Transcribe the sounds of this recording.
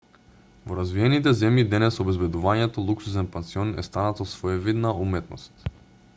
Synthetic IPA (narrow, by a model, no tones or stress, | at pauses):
voɾazviɛnit̪̬ɛzɛmjid̪ɛnɛsobɛzbɛd̪uvaɲɛt̪olˠuksus̬ɛnpɛnsiɔnɛ̰st̪anat̪ɔsvɔɛvid̪naumɛt̪nɔ̰st̪